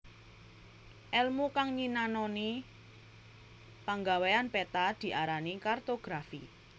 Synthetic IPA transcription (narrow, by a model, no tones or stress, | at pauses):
ʔɛlmukaŋɲinanɔni | paŋɡaweanpet̪ad̪̥i̤ʔaɾanikart̪oɡ̥ɾafḭ